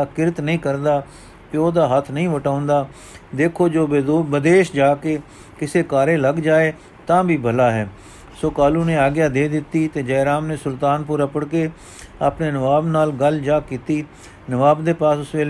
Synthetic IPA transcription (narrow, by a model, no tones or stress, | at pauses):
akɪɾət̪nəɦĩːkəɾd̪aː | pɪoːd̪aːɦət̪ʰnəɦĩːʋəʈaːʊ̃nd̪aː | d̪eːkʰoːd͡ʒoːbəd̪eːʃd͡ʒaːkeː | kɪseːkaːɾeːləɡd͡ʒaːeː | t̪ãːbʱiːbʱəlaːɦɛː | soːkaːluːnẽːaːɡjaːd̪eːd̪ɪt̪ːiːt̪eːd͡ʒɛːɾaːmneːsʊlt̪aːnpʊɾapəɽkeː | apneːnəʋaːbnaːlɡəld͡ʒaːkiːt̪iː | nəʋaːbd̪eːpaːsʊsʋeː